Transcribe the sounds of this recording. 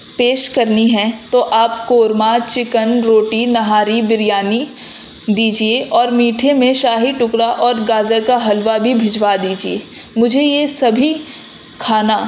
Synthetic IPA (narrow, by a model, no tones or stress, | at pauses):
peːʃkɐɾniɦɛ̃t̪oʔaːpkoːɾmat͡ʃɪkənɾoːʈinɐɦaːɾibɪɾjaːni | d̪iːd͡ʒieʔɔːɾmiːʈʰemẽʃaːɦiʈʊkɽaʔɔːɾɡaːzəɾkaɦɐlʋabʱibʱɪd͡ʒwad̪iːd͡ʒiḛːmʊd͡ʒʱejesɐbʱi | kʰaːna